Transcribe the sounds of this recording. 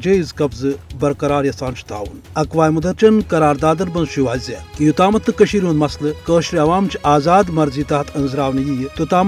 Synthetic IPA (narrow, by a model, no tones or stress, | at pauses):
d͡ʒeːizkɐbzɨbɐɾkɐɾaːɾjɐsaːnt͡ʃʰi̥t̪a̰ːʋun | ɐkʋaːjmɐd̪ɐɾt͡ʃɐnkɐɾaːɾd̪aːd̪ɐɾbɐnzʃiʋaːzaːk̪ɨjut̪aːmɐt̪ːɨkɐʃiːɾʲunmɐslɨkəːʃɾiɐʋaːmt͡ʃʰiaːzaːd̪mɐɾziːt̪aːt̪ʰɐnzɾaːʋnjiːjt̪ot̪aːm